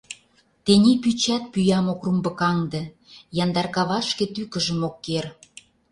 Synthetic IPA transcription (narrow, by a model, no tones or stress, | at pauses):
t̪enʲepyt͡ɕæt̪̚pyjɑmokrumbə̆kɑŋd̪ĕ | jɑnd̪ɑrkɑβɑʃkĕt̪ykə̆ʒəmokːer